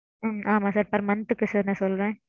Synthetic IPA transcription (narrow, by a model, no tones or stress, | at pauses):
mʔaːmaːsaːɾpɐɾmɐnt̪ɯkːɯsaːɾnãːsɔlɾẽː